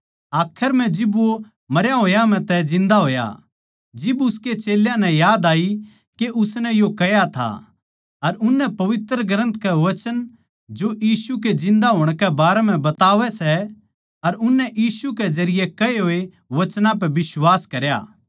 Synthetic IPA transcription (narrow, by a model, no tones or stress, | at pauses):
aːkʰəɾm̤ɛ̃d͡ʒɪbo | mɐɾjaɦoːjam̤ɛ̃t̪ɛd͡ʒɪ̃nd̪aɦoːja̰ | d͡ʒɪbʊsket͡ʃeːljãnɛ̃jaːd̪aːi | keʔʊsnɛjokɐjat̪ʰa̰ | ɐɾʊnːɛpɐʋɪt̪ɾəɡɾə̃nt̪kɛʋɐt͡ʃən | d͡ʒojiːsuked͡ʒɪ̃nd̪aɦoːɽ̃kɛbaːɾɛm̤ɛ̃bɐt̪aːʋɛsɛ | ɐɾʊnːɛʔjiːsukɛd͡ʒɐɾɪjekɐeɦoːe | ʋɐt͡ʃnãp̬ɛʋɪswaːskɐɾja̰ː